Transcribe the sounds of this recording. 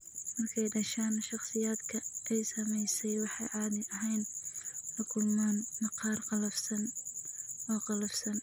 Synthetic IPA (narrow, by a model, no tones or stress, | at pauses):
mɐrkʰɛjɖɐʃaːnʃɑχsɪjaːd̪kʰɐʔɛjsɐmɛjsɛjwɑħɑjʕɑːd̪ɪʔɐɦɛjnħɐkʰʊlmaːnmɐqɑːrqɑlɐfsɐn | ɔːqɑlɐfsɐn